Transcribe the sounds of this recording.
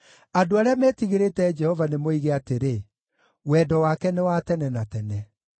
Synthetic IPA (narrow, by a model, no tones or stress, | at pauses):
adoaɾeamɛːtiɣeɾetɛd͡ʒɛhɔvanemoiɣeateɾe | wɛːdɔwakɛnewatɛnɛnatɛnɛ